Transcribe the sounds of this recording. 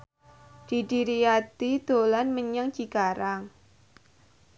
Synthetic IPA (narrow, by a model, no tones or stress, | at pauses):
d̥iɖiɾiat̪id̪̥olanməɲəŋt͡ʃikaɾaŋ